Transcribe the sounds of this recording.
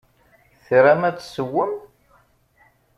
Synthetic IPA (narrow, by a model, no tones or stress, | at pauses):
θɾæmæt͡sːsəwːəm